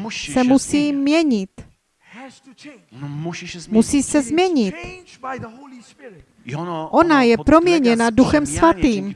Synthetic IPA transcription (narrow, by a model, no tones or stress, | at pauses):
sɛmusiːmɲɛɲɪt̪ | musiːsɛzmɲɛɲɪt̪ | ʔo̞najɛpɾo̞mɲɛɲɛnaduxɛmsvat̪iːm